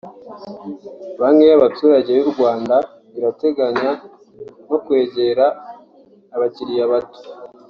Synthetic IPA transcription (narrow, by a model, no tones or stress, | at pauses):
βamŋe̞jaβatuːɾaɟe̞βuɾɡwaːnda | βiɾate̞ɡaɲa | n̥o̞kwe̞ːɟe̞ɾaː | βaciɾijaβato̥